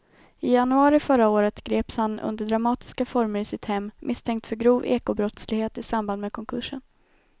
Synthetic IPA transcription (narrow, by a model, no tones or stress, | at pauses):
ɪjanɵɑːɾɪfœɾaoːɾət̪ɡ̥ɾeːpshanɵ̰nd̪əɖɾamɑːt̪ɪ̥skafɔɾməɾɪsɪt̪hɛmːmʔɪst̪ʰɛŋkt̪fœɾɡɾuːvḛːkʊbɾɔt̪slɪɡheːt̪ɪsamband̪mɛkʰɔŋkʰɵʂːən